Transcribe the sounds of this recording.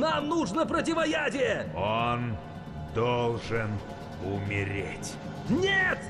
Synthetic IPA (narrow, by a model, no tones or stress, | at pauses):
namnuʐnəpɾət̬ʲɪvɐjadʲɪjəon | d̪olˠʐɨn | ʊmʲɪɾʲḛtʲ | nʲet̪